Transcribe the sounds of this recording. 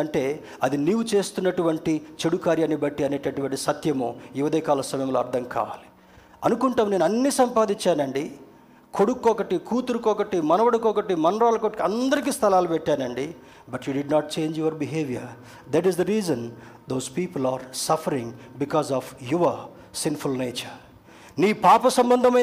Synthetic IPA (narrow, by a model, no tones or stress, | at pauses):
ɐɳʈe̞ː | ɐd̪iniːwut͡ʃe̞ːst̪unːɐʈuʋɐɳʈit͡ʃeɽukaːɾjaːnːibɐʈːiɐne̞ːʈɐʈuʋɐɳʈisɐt̪jɐmoːjuʋɐd̪ɛːkaːlɐsɐmɐjɐmloːɐɾd̪ʰʱɐmkʰa̰ːʋa̰ːli̥ | ɐnukuɳʈaːmneːnuɐnːisɐmpaːd̪iɲt͡ʃːaːnɐɳɖi | ko̞ɽukːɔːkɐʈikuːt̪uɾukɔːkɐʈimɐnɐʋɐɽukɔːkɐʈimɐnɾaːlɐkoʈkiɐnd̪ɐɾik̬iːst̪ʰɐlaːlupɛʈːaːnɐɳɖi | bɐʈjuːɖiɖnaːʈ̚t͡ʃeːɲd͡ʒjuʋɐɾbiɦeːʋijɐɾ | d̪æʈ̬izd̪ɐɾiːzɐnd̪oːzpiːpɐlaːɾsɐfʰɐɾiŋbikɔːzɔːfjuʋɐ | sinfulneːt͡ʃɐɾ | niːpaːpɐsɐmbɐnd̪ʱɐmɐ